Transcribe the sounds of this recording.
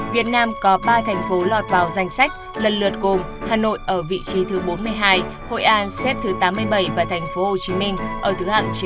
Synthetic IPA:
vi˨˩ət̚naː˧mkɔ˨˦ɓaː˧t̪ʰɛ˨˩jŋ̟fo˨˦lɔ˨˩t̚vaː˨˩wza˧jŋ̟sa˦˥jk̟̚ | lə˨˩nlɨ̰˨˩ət̚ɣo˨˩m | haː˨˩no̰˧˨jʔəː˧˩vḭ˧˨t͡ɕi˨˦t̪ʰɨ˨˦ɓo˨˦nmɨ˧əjɦaː˧j | ho̰˧˨jʔaː˨˦nsɛ˦˥p̚t̪ʰɨ˨˦t̪aː˨˦mːɨ˧əjɓə˧˩jvaː˨˩t̪ʰɛ˨˩jŋ̟fo˨˦ho˧˨˩t͡ɕi˨˦mï˧ŋ̟ʔəː˧˩t̪ʰɨ˨˦ha̰ː˧˨ŋt͡ɕ

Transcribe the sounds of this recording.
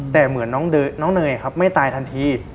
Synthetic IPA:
t̪ɛː˨˩mɯ˩˦ənːɔː˦˥ŋdɤː˧jnɔː˦˥ŋnɤː˧jʔa˨˩kʰa˦˥p̚ma˥˩jt̪aː˧jt̪ʰa˧nt̪ʰiː˧

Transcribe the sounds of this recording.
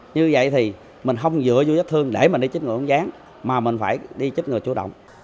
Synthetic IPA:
ɲɨ˧və̰˧˨jt̪ʰi˨˩ | mï˨˩ŋ̟ɦə˧wŋ͡mzɨ̰˧˥əzu˧zə˦˥t̪ʰɨ˧əŋɗe˧˩mi˨˩ŋ̟ɗi˧t͡ɕt̚ŋɨ˨˩˨ŋ͡mzaː˨˦ŋ | maː˨˩mï˨˩ŋ̟faː˧˩jɗi˧t͡ɕi˦˥t̚ŋɨ˨˩əjt͡ɕu˧˦ɗə̰˧˨wŋ͡m

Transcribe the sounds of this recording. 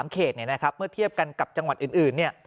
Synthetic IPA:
mkʰeː˨˩t̪̚ni˥˩ɐna˦˥kʰa˦˥p̚mɯ˥˩ɐt̪ʰi˥˩əp̚ka˧nka˨˩p̚t͡ɕa˧ŋwa˨˩t̪̚ʔɯː˨˩nʔɯː˨˩nːi˥˩ɐ

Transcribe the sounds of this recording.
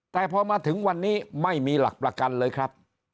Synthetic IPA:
t̪ɛː˨˩pʰɔː˧maː˧t̪ʰɯ˩˦ŋwa˧nːiː˦˥ma˥˩jmiː˧la̰˨˩k̚pɾa˧ka˧nlɤː˧jkʰɾa˦˥p̚

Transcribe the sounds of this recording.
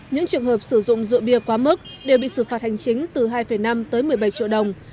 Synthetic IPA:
ɲɨ̰˧˥ŋt͡ɕɨ˨˩əŋɦəː˨˩p̚sɨ˧˩zʊ̰˧˨ŋ͡mzɨ̰˧˨ɓi˧əkwaː˨˦mɨ˦˥k̚ɗe˨˩wɓḭ˧˨sɨ˧˩faː˨˩t̚ha˨˩jŋ̟t͡ɕï˨˦ŋ̟t̪ɨ˨˩ɦaː˧jfə˧˩jna˧mt̪əː˨˦jmɨ˨˩əjɓa˧˩jt͡ɕḭ˧˨əwɗə˨˩wŋ͡m

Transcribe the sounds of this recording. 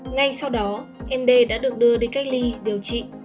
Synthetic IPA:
ŋa˧jsa˧wɗɔ˨˦ʔɛ˧mɗe˧ɗa̰ː˧˥ɗɨ˨˩ək̚ɗɨ˧əɗei˨˧˦nka˦˥jk̟̚li˧ɗi˨˩əwt͡ɕḭ˧˨

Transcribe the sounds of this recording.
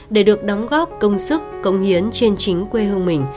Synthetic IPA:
ɗe˧˩ɗɨ˨˩ək̚ɗɔ˨˦wŋ͡mɣɔ˦˥p̚kə˧wŋ͡msɨ˦˥kːə˧wŋ͡mhi˨˦ənt͡ɕe˧nt͡ɕï˨˦ŋ̟kwe˧ɦɨ˧əŋmï˨˩ŋ̟

